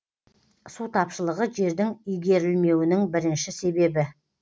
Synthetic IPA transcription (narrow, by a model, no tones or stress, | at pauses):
sut̪ʰɑpʃəlˠəʁəʒe̞ɾd̪ɪŋʏjɡʲe̞ɾɪlme̞wɪnɪŋbɪɾɪnʃɪse̞be̞bɪ